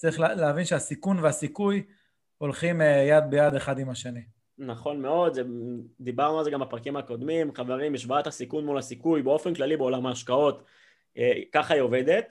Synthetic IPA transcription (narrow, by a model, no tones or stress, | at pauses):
t͡saʁiχlleavinʃeasikunveasikuj | o̞lχimjad̪̚bejad̪eχad̪imaʃeni | naχo̞nme̞o̞d̪zed̪ibaʁnualzeɡambapʁakimako̞d̪mimχaveʁimbiʃvat̪hasikunmulasikujbeo̞fenklalibeo̞lamaːʃkao̞t̪ | kaχaioved̪et̪